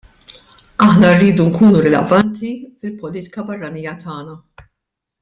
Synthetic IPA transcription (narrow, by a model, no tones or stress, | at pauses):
ɐħnɐrːiːd̪uŋkuːnuɾɪlɛ̰vɐnt̪ifɪlpɔliːt̪ɪ̥kɐbɐrːɐniːjɐt̪ʰɐːnɐ